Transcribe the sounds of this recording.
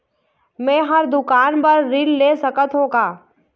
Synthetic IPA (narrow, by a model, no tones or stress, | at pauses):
mɛ̃ːɦɐɾd̪ʊkaːnpɐɾːɪlleːsɐkət̪ɦoːɡaː